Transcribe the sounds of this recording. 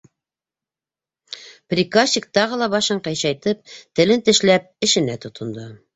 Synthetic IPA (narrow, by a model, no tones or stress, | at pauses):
prʲikasʲikt̪ɑʁɤlˠɑβɑʃɤɴqɑjɕɑjt̪ɤp̚t̪ɘ̆lɘnt̪ɘ̆ʃlæp̚ɘ̆ʃɘ̆næt̪ŏt̪ʰŏnd̪ɤ